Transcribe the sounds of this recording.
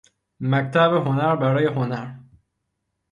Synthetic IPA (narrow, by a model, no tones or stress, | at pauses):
mæct̪ʰæbeɦonæɾbæɾɒːjeɦonæɾ